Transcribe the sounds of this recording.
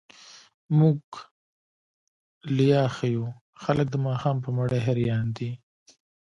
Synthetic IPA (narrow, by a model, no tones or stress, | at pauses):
muɡ | lijɑxaju | xalək̚d̪əmɑːxɑːmpəmaɽeɦaɾijɑːnd̪i